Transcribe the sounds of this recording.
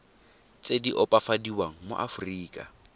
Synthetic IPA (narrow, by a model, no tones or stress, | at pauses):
t͡sʼediʔɔpʼafadiwaŋ̩mʊ̰ʔa̰fʊriːkʼa̰